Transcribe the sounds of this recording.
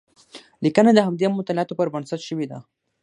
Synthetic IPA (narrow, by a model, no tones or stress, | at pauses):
likənad̪əɦamd̪emʊt̪ɑlɪɑt̪opəɾbənsat̪ʃəwid̪a̰